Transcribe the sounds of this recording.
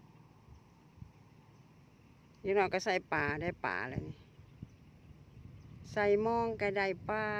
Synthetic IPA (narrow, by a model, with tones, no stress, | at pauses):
ja˧nɔː˧˨ka˧˩sa˧˩jpaː˨˩da˧˨jpa̰ː˨˩la̰˧ni˧˨ | sa˧˩jmɔː˧˥ŋka˧˩da˧˩jpaː˧